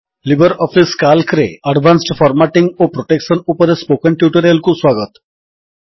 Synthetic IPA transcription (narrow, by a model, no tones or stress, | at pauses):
libəɾɔfiskalkɾḛəɖʋʱansʈfʰɔɾmaʈiŋɡopɾoʈekʃənupəɾespokənʈjuʈəɾijəlkuswaɡət̪